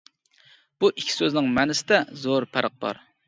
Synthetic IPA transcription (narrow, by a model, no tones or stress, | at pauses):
b̥uʔikʲʰːi̥søznɪŋmɛnɪsɪd̪ɛzoɾpʰæɾəq̚bɑ̰ɾ